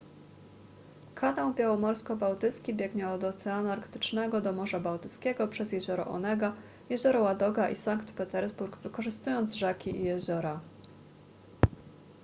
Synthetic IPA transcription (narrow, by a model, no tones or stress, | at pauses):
kʰanawbʲjawɔmɔɾskɔbawt̪ɘt̪skʲibʲjɛɡɲɛɔd̪ɔt̪sɛanuaɾkt̪ɘ̥t͡ʂnɛɡɔd̪ɔmɔʐabawt̪ɘt̪skʲɛɡɔpʂɛzjɛʑɔɾɔ̰ʔɔ̰nɛɡa | jɛʑɔɾɔwad̪ɔɡaʔisaŋkt̪pɛt̪ɛɾzbuɾɡvɘkɔʐɘst̪ujɔnd̪zʐɛkʲiʔijɛʑɔɾa